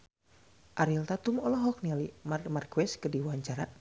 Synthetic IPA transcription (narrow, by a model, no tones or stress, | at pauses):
ʔaɾilt̪at̪umɔlɔɦɔk̚nɛlimarmarkuɛskɨrdiwaɲt͡ʃaɾa